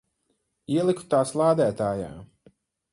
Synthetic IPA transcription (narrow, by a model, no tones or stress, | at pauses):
iɛlˠiku̥t̪aːslˠaːd̪æːt̪aːja̰ː